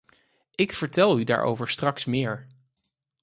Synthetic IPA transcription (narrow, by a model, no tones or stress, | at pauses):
ɪkfəɹtɛlˠyda̰ːɹʔo̰wvəɹstrɑksmɪːɹ